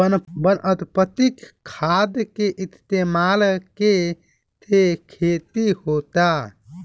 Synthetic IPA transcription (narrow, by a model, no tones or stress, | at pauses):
bənʔət̪pət̪ikʰːad̪keʔist̪emalke | t̪ʰekʰet̪ihot̪a